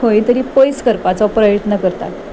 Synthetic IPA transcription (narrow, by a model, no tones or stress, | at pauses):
ojt̪əɾiːpojskəɾpat͡sɔpɾəjət̪nəkəɾt̪a̰t̪